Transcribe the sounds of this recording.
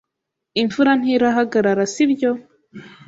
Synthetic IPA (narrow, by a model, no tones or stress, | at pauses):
iɱfuɾan̥hiɾaɦaɡaɾaɾasibjo